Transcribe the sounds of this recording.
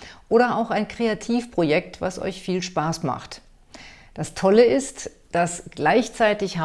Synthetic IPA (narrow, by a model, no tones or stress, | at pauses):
ʔoːɾɐaʊxaɪnkʁ̥eatʰiːfpʁ̥ojɛk̚tv̥a̰sʔɔ̰ʏçfiːlʃpaːsma̰χt | d̥astʰɔləɪst | d̥asɡ̥laɪçt͡saɪtɪçha